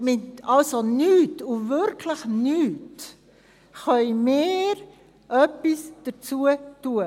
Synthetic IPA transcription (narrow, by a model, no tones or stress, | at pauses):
mɪtɑlsonyːtʊvʏɾkʰləxnyːt | χœʏmeːɾ | ʔœpisd̥ət͡suətuə